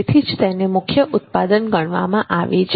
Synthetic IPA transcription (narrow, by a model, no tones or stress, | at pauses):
t̪ʰid͡ʒt̪enemʊkʰjəʔʊt̪̚pad̪ənɡəɳ̃ʋa̰mãʔaʋet͡ʃʰ